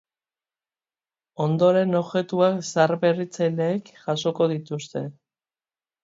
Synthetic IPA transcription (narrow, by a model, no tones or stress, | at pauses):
o̞nd̪o̞ɾe̞no̞βʝe̞t̪uaksaɾβe̞rit͡sajle̞ːkʝaso̞ko̞ð̞it̪ust̪e̞